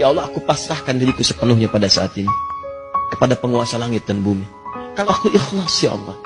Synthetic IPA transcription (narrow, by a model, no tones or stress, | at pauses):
jaɑlˠːɔakupasɾahkandaɾikusəpənʊhɲapadasaːt̪ini | kə̥padapəŋuasalaŋɪt̪̚danbumi | kaloakuʔɪxlasja̰ʔɑ̰lˠːɔ̰h